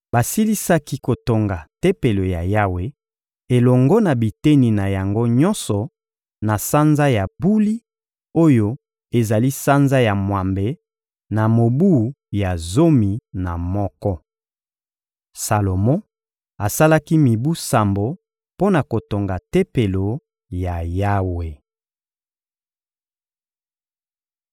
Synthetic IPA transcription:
ba˨si˦li˦sa˦ki˦ko˨to˨ŋɡa˨te˦pe˨lo˨ja̰˨ja˦we˨ | e˨lɔ˨ŋɡɔ˦na˨bi˨te˦ni˨na˨ja˨ŋɡo˦ɲɔ˦nsɔ˨ | na˨sa˦nza˦ja˨bu˦li˦ | o˦jo˦ | e˨za˨li˦sa˦nza˦ja˨mwa˨mbe˨ | na˨mo˨bu˦˨˦ | ja˨zo˦mi˨na˨mɔ˦kɔ˦ | sa˨lo˨mɔ̃˦ | a˨sa˦la˦ki˦mi˨bu˦sa˨mbo˨ | po˦na˨ko˨to˨ŋɡa˨te˦pe˨lo˨ | ja˨ja˦we˨

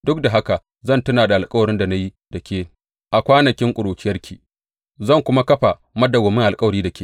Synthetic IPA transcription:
dʊ˦k̚da˨ɦa˦ka˨ | zɐ˦˨ntʊ˦naː˨da˨ʔa˨lkʼɐ˦wɐ˨ɾɪ˦nda˨na˦ji˦ | d̥ɐ˨kʲʰeː˦ | ʔa˨kʷaː˦nɐ˨kʲɪ˦ŋkʷʼʊ˨ɽoː˨t͡ʃɪ˦jɐ˦rkʲʰiː˨ | zɐ˦˨ŋkʷʊ˦ma˦kɐ˦ɸa˨ | mɐ˦da˨ɡɔː˨mɪ˦ŋʔa˨lkʼɐ˦wɐ˨ɾiː˦da˨kʲeː˨

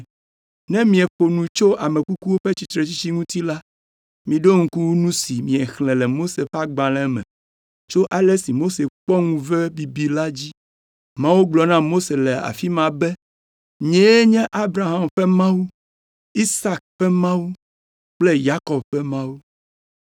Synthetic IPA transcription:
nɛ̃˦mĩ˨ɛ˨ɸo˨nũ˨t͡ʃo˦ʔa˨mɛ̃˨ku˦ku˦wo˦ɸe˦t͡ɕi˨t̪ɾe˨t͡ɕi˦t͡ɕi˦ŋũ˦t̪i˦la˦ | mĩ˨ɖo˦ŋũ˦ku˦wu˦nũ˦si˨mĩ˨ɛ˨xlɛ̃˨lɛ˨mo˦se˨fa˦ɡ͡bã˨lɛ˦mɛ̰̃˨ | t͡ʃo˦ʔa˨le˦si˨mo˦se˨k͡pɔ˦ŋũ˦vɛ˦bi˨bi˨la˦d͡ʑi˦ | mã˦wu˦ɡ͡blɔ˨nã˦mo˦se˨lɛ˨a̰˨fi˦mã˨bɛ˦ | ɲɛ̃˨˦e˦ɲɛ̃˦ʔa˦bɾa˨ɦa˨mɸɛ˦mã˦wu˦ | i˦sa˨k̚ɸɛ˦mã˦wu˦ | k͡ple˦ja˦kɔ˨b̚ɸɛ˦mã˦wu˦

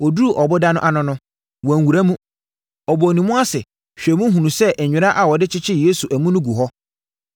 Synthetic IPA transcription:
ɔ˨du˦u˦˨ʔɔ˨bʊ˦da˦nʊ̃˦ʔa˦nʊ̃˨nʊ̃˦ | wɔ̃˨ŋ˨wu˨ɾa˦mũ˦ | ɔ˨bɔ˨nĩ˨mʊ̃˦a˦sɪ˨ | ɕᶣɛ˨mũ˦ɦũ˨nũ˨sɛ˦ʔɛ˨ɲᶣɪ˨ɾa˦ʔa˨wɔ˨dɪ˦t͡ɕʰɪ˦t͡ɕʰɪ˦je˦su˨ʔæ˨mũ˦nʊ̃˦ɡu˨ɦɔ˦

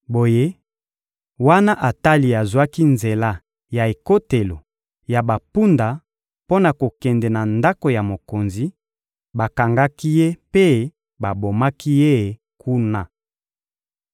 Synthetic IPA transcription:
bo˨je˦ | wa˦na˦ʔa˨ta˦li˨a˨zwa˦ki˦nze˨la˦ | ja˨e˨ko˦te˨lo˨ | ja˨ba˨pu˦nda˨ | po˦na˨ko˨kɛ˨ndɛ˨na˨nda˦ko˨ja˨mo˨ko˨nzi˦ | ba˨ka˨ŋɡa˦ki˦je˦pe˦ | ba˨bo˨ma˦ki˦je˦˨ | kʰu˦na˦

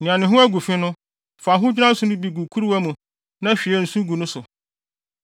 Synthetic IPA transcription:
nɪ̃˨ã˨nɪ̃˨ɦʊ̃˦æ˦ɡu˨fɪ̃˦nʊ̃˦ | fa˨ɦʊ̃˦d͡ʑᶣi˦ã˦n̩˦sʊ˨nʊ̃˦bi˨ɡu˨kʰu˦ɾwæ˦mũ˨ | nã˦ɕᶣi˨ɛ˦n̩˨sũ˦ɡu˨nʊ̃˦sʊ˨

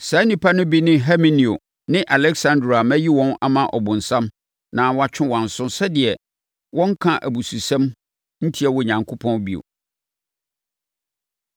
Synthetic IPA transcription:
sa˨˦nĩ˨pʰa˦nʊ̃˦bi˦nɪ̃˦ɦɛ˦mĩ˦ni˨o̰˨ | nɪ̃˦ʔa˨lɛ˦ksã˦ndɾa˨a˨mæ̃˦ji˦wɔ̃˦na̰˨mã˨ʔɔ̰˨bʊ̃˨n̩˨sã˦m | nã˨wɔ˦a˨t͡ɕᶣʰɪ̃˦wã˨n̩˨sʊ̃˦sɛ˦dɪ˨ɛ˨ | wɔ̃˦ŋ˦kʰã˨ʔæ̰˨bu˨su˨sɛ̃˦m | n̩˦tʰi˦ɛ˨wɔ˨ɲã˨ŋkʰʊ˦pʰɔ̃˦nbi˨o̰˨

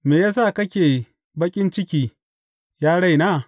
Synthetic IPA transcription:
meː˨jaː˦s̬aː˦˨kɐ˦kʲeː˨ | bɐ˦kʲʼɪ˦nt͡ʃɪ˦kʲiː˦ | jaː˦ɽa˦˨jnaː˦˨

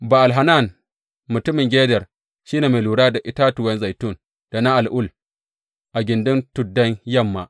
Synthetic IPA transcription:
ba˨ʔa˨lɦa˨na˦˨n | mʊ˨tʊ˦mɪ˨ŋɡʲeː˦dɛ˨r | ʃi˦neː˨me˨luː˨ɽaː˦da˨ʔɪ˦ta˦tʊ˨wɛ˦nza˨jtʊ˦˨n | d̥a˨na˦ʔa˨lʔʊ˦˨l | ʔa˨ɡʲɪ˨ndʊ˦ntʊ˨dːɐ˦ɲjɐ˦˨mːa̰˨

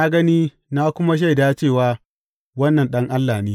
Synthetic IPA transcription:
na˦ɡɐ˦niː˦ | naː˦kʷʊ˦ma˦ʃ̬a˦jdaː˦t͡ʃeː˦˨waː˦ | wɐ˦nːɐ˨nɗɐ˦ŋʔa˦lːaː˨niː˦

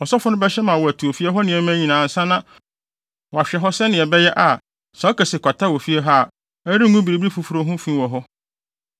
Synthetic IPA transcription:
ɔ˨sɔ˦fʊ˦nʊ̃˦bɛ˦ɕɛ˦mã˨wɔ˨æ˨tʰu˨o˨fi˦ɛ˦ɦɔ˦nɪ̃˨ɛ˨˦mæ̃˦ɲĩ˨nãː˨n̩˨sã˦nã˦ | wɔ˨a˨ɕᶣɛ˨ɦɔ˦sɛ˦nɪ̃˨ɛ˨bɛ˦jɛ˦ʔa˨ | sã˨˦kɛ˨sɪ˨kʷʰa˨tʰa˦wɔ˨fi˦ɛ˦ɦa˦a˨ | ɛ˦ɾi˦ŋũ˦bi˨ɾi˨bɾi˦fu˨fu˨ɾo˦ɦʊ̃˦fĩ˦wɔ˨ɦɔ˦

